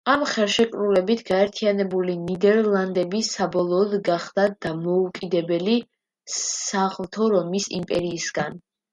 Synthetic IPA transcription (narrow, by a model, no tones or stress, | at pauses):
amχɛlˠʃɛkʼɾulɛbit̪ʰɡaɛɾt̪ʰianɛbulinid̪ɛɾlˠand̪ɛbisabɔlˠɔːd̪ɡaχd̪̥ad̪̥amɔukʼid̪ɛbɛli | saχlˠt̪ʰɔɾɔmisḭmpʼɛɾiːsɡan